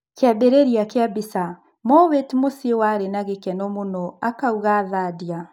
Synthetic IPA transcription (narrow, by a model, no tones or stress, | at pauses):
keabeɾeɾiakeabisa | mɔwetmosiewaɾenaɣekɛnɔmonɔakauɣaːðaːdia